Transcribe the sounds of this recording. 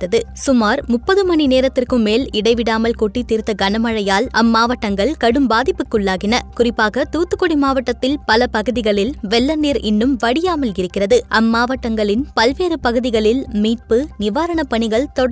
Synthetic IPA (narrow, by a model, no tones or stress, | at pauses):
t̪ːɐðɯsʊmaːɾmʊpːɐðɯmɐɳineːɾɐt̪ːɪrkɯmːeːlɪɽɐɪʋɪɽaːmɐlkuːʈːit̪iːɾt̪ːɐɡɐnɐmɐɻɐjaːlɐmːaːʋɐʈːɐŋɡɐɭkɐɽɯmbaːðɪpːɯkːɯɭːaːɣɪnɐkʊrɪpːaːɣɐt̪uːt̪ːɯkːɔɽimaːʋɐʈːɐt̪ːɪlpɐlɐpɐɣɯðɪɣɐɭɪlʋɛlːɐnd̪iːɾɪnːɯmʋɐɽɪjaːmɐlɪɾɯkːɪrɐðɯʔɐmːaːʋɐʈːɐŋɡɐɭɪnpɐlʋeːɾɯpɐɣɯðɪɣɐɭɪlmiːʈ̚pɯnɪʋaːɾɐɳɐpɐɳɪɣɐɭt̪ɔɽ